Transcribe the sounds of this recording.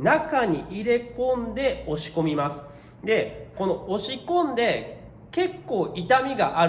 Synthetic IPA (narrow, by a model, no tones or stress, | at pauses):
nakaɲ̟iʔiɾe̞kõ̞nd̪e̞o̞ɕi̥ko̞mʲimasɨ̥ | d̪e̞ko̞no̞ʔo̞ɕikõ̞nd̪e̞ | ke̞kːo̞ːʔit̪amʲiɡa̰ʔa